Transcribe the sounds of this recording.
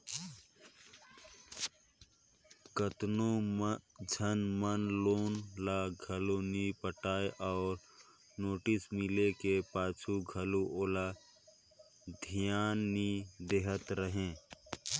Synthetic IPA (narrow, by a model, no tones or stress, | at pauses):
kət̪no | d͡ʒʱənmənloːnlaɡʱəlonipəʈaːeʔɔːɾ | noːʈɪsmɪlekepaːt͡ʃʰuɡʱəluʔoːla | d̪ʱɪjaːnːid̪eɦət̪ɾəɦẽː